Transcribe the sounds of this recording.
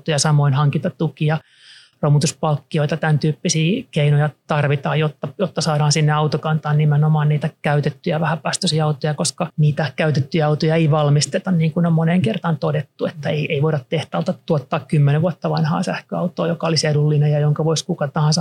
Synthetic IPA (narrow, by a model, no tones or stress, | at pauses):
t̪ojɑsɑmoinhɑŋkit̪ɑt̪t̪ukiɑ | romut̪uspɑlkːioit̪ɑt̪ænt̪yːpːisiːkeinojɑt̪ɑrʋit̪ɑːjot̪ːɑjot̪ːɑsɑːɾɑːnsinːeɑwt̪okɑnt̪ɑːnnimenomɑːnniːt̪ækæyt̪et̪ːyjæʋæhæpæst̪øsiɑɑut̪ojɑkoskɑniːt̪ækæyt̪et̪ːyjɑɑut̪ojɑeiʋɑlmist̪et̪ɑnniːŋkunommoneŋkert̪ɑnt̪odet̪ːuet̪ːæeiʔeiʋoiɾɑt̪t̪eht̪ælt̪ɑtt̪uot̪ːɑːkkymːeneʋʋuot̪ːɑʋɑnhɑ̰ːsæhkøɑut̪oːjokɑolisedulːinejɑjoŋkɑʋoiskukɑt̪ɑhɑ̃nsɑ